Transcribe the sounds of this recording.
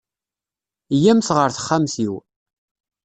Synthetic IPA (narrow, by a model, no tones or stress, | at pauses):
jæmθʁəɾθə̥χːamθiw